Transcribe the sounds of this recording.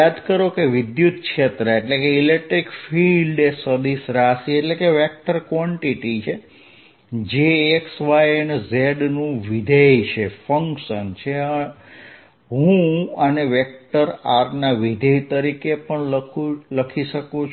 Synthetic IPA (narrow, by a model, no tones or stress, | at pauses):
ad̪kəɾokeʋid̪jut̪kʃʰet̪ɾəeʈlekeilek̚ʈɾikfilɖesəd̪isɾasieʈlekeʋek̚ʈəɾkʋɔɳʈiʈit͡ʃʰe | d͡ʒeːksʋajənzeɖnũʋid̪ʱejt͡ʃʰefəŋkʃənt͡ʃʰeə | ɦũəneʋek̚ʈəɾaɾnaʋid̪ʱəjt̪əɾikepəɳləkʰuləkʰiʃəkut͡ʃʰ